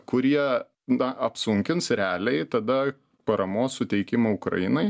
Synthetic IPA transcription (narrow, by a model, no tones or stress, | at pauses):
kʊɾʲiɛ | nɐɐpsʊŋʲkʲɪnsɾʲæːlʲɛɪt̪ɐd̪ɐ | pɐɾɐmoːssʊt̪ʲɛɪkʲɪmɐʊkɾɐ̰jɪnɐɪ